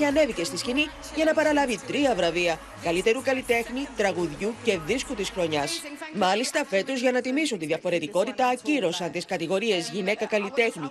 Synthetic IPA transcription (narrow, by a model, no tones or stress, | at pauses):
ɐne̞vice̞st̪iscini | ʝɐnɐpɐɾɐlɐvit̪ɾiɐvɾɐviɐ | kɐlit̪e̞ɾukɐlit̪e̞xnit̪ɾɐɣuðʝuce̞ðiskut̪isxɾo̞ɲɐsmɐlist̪ɐfe̞t̪ozʝɐnɐt̪imisunt̪iðiɐfo̞ɾe̞t̪iko̞t̪it̪ɐːciɾo̞sɐnt̪iskɐt̪iɣo̞ɾie̞zʝine̞kɐkɐlit̪e̞xni